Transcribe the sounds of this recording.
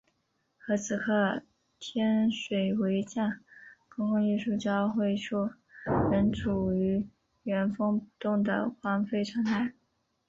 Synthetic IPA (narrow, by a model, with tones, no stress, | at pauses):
xɤ˧˥t͡sʰɹ̩˨˩kʰɤ˥˩ | t̪ʰjɛ˥nʂwe˨˩ɪwe˧˥ɪt͡ɕja˥˩nkʊ˥ŋkʊ˥˧ŋi˥˧ʂu˥˩t͡ɕjɑ˥ʊxwe˥˩ɪʂɔ˥ | lə˧˥nʈ͡ʂʰu˨˩y˧˥ | ɥɛ˧˥nfɤ˥ŋt̪ʊ˥˩ŋd̪ə̰˩xwa˥nfe˥ɪʈ͡ʂʰɤ˧˥ŋt̪ʰa˥˩ɪ